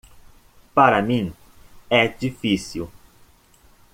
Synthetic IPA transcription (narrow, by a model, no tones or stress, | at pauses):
paɾɐmĩ | ɛd͡ʒifisiw